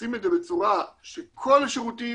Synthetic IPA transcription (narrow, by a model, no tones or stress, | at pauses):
imed̪zebet͡suʁaʃekʰolaʃeʁuti